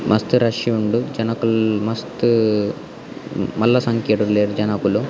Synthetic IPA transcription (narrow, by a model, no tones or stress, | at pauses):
mʔɐst̪uɾɐʂiuɳɖud͡ʒɐnɐkulmɐst̪u | mɐlːɐsɐŋkeʈuleːɾd͡ʒɐnɐkulu